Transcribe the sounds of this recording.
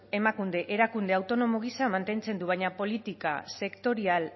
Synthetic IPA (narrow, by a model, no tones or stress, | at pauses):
e̞makund̪e̞ʔeɾakund̪e̞awt̪o̞no̞mo̞ɣ̞isamant̪e̞nt͡se̞nd̪uβajɲapo̞lit̪ikase̞kt̪o̞ɾial